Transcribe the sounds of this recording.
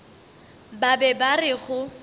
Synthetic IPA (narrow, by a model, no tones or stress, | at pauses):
babɛbarɪɣʊ